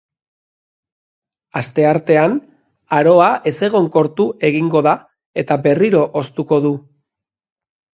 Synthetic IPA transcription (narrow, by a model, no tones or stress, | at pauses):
ast̪e̞aɾt̪e̞an | aɾo̞ae̞se̞ɣ̞o̞ŋko̞ɾt̪uʔe̞ɣiŋɡo̞ða | e̞t̪abe̞riɾo̞ʔost̪uko̞ðu